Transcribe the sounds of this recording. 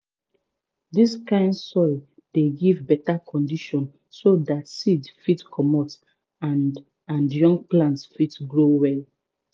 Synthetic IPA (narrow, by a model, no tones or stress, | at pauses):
diskãɪ̃ndsɔɪ | d̥eɡivbɛtakʰɔ̃ndiʃɔ̃n | sodatsidfitkʰɔmɔt | a | ãnjɔ̃ŋɡ̚plãntsfitɡɹowɛl